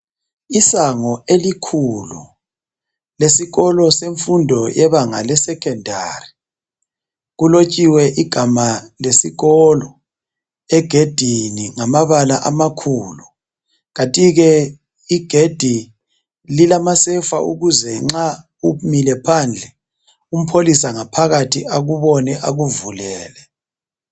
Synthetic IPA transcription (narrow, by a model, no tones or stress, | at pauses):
isaŋɔelikʰulṵ | lesiɣɔlɔseɱfundʱɔjɛβaŋalɛsɛkʰɛndʱa̰ri | ɣulot͡ʃʼiwɛʔiɡ̥ʱamalesiɣɔlɔ | ɛɡ̥ʱed̥ʱiniŋamaβalaʔamakʰuːlu | ɣatʼiɣɛ | iɡ̥ʱed̥ʱi | lilamasɛfa̰uɣuzɛŋ͡ǁa | umilɛpʰand͡ɮʱɛ | um̩pʰolisaŋapʰaɣatʰiaɣuβɔnɛʔaɣuvulɛːlɛ